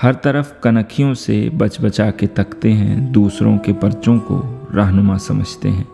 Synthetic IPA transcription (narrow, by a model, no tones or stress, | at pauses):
hɐɾt̪ɐɾəfkɐnəkʰijõsḛbɐt͡ʃbət͡ʃaːket̪ɐkt̪eɦɛ̰̃d̪uːsɾõ̰kepɐɾt͡ʃõko̰ɾaːɦnʊmasɐməd͡ʒʱt̪ḛɦɛ̃ː